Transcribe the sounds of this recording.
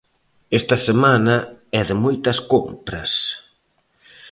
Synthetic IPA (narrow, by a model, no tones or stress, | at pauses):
est̪ɐsemanɐɛðɪmojt̪ɐskompɾɐ̰s